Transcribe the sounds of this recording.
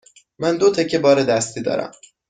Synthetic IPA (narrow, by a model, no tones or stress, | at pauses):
mænd̪ot̪ʰecʰːebɒːɾed̪æst̪ʰiːd̪ɒ̰ːɾæ̰m